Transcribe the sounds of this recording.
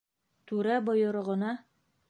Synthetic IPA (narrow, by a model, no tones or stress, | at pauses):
t̪ʉɾæbŏjɤ̆ɾɤ̆ʁɤ̆nɑ